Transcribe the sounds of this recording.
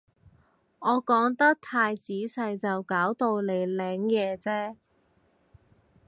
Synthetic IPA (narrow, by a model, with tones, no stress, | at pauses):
ʔɔː˨˧kɔː˨˥ŋt̪ɐ˥k̚t̪ʰaː˧jt͡siː˨˥sɐ˧jt͡sɐ˨wkaː˨˥wt̪o˧wle˨˧jlɛː˨˧ŋjɛː˨˧t͡sɛː˥